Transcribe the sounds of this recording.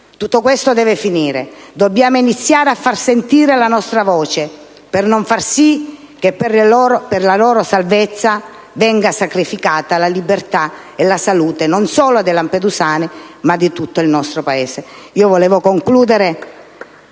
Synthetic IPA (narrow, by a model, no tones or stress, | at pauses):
t̪ut̪ːokwest̪od̪ɛːvefiniːɾed̪obːjaːmoinit̪sːjaːɾeafːarsent̪iːɾelanɔst̪ɾavɔːt͡ʃe | pernoɱfarsi | kepːerloːɾoperlaloːɾosalvet̪sːa | vɛŋɡasakɾifikaːt̪alalibːert̪a | elasaluːt̪enonsoːload̪elamped̪usaːnimad̪ːit̪ut̪ːoilnɔst̪ɾopaeːseiːovolɛːvokoŋkluːd̪eɾe